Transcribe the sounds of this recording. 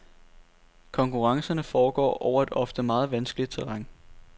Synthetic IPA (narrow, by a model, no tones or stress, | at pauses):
kʰɒ̽ŋkʰuʁɑ̈ŋsɐnəfɒːɡ̥ɒ̰ːʔɒʊɐe̝d̥ɒ̽fd̥əmɑ̈ːð̞̩ˠʋænsɡ̥lid̥̚t͡sʰeʁɑ̈ŋ̰